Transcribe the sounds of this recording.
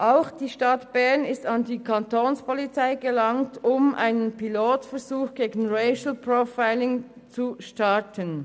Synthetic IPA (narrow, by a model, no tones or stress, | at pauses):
ʔaʊxd̥iːʃtɑtb̥ɛɐnɪstɑndiːkʰɑntoːnspʰɔlit͡saɪɡəlɑŋtʊmʔa̰ɪnənpiloːtfɛɐzuːxɡ̥eːɡn̩ʁeɪʃl̩pʁofaɪlɪŋ | t͡suʃtɑɐtʰən